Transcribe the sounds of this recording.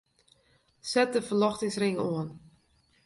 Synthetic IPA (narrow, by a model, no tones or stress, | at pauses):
sɛt̚dəfərlɔxtɪŋsrɪŋoən